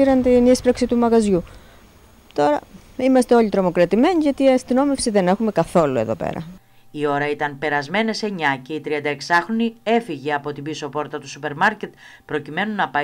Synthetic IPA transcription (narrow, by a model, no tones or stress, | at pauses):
iɾɐnt̪inispɾɐksit̪umɐɣɐzʝu | t̪o̞ɾɐ | imɐst̪e̞o̞ʎit̪ɾo̞mo̞kɾɐt̪ime̞ɲiʝɐt̪iɐst̪ino̞me̞fsiðe̞ne̞xume̞kɐθo̞lue̞ðopḛɾɐ̰ | io̞ɾɐit̪ɐnpe̞ɾɐzme̞ne̞se̞ɲɐce̞it̪ɾiɐnd̪ɐeksɐxɾo̞nie̞fiʝeɐpo̞t̪ibiso̞po̞ɾt̪ɐt̪usupe̞ɾmɐɾcet̪̚ | pɾo̞cime̞nunɐpɐ